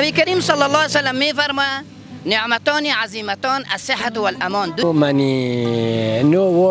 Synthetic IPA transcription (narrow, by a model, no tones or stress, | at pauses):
abikaɾiːmsˤɑlːɑlˤːɑːsalːamːiːfɑɾˤma | nɪʕmat̪aːniʕaziːmat̪aːnʔa̰sˤːɪħːawalʔamaːnd̪ʊmani | nowo